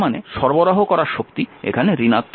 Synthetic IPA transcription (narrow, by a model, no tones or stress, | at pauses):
manḛʃɔɾboɾaɦokɔɾaɾʃokt̪iḛkʰaneɾinat̪ː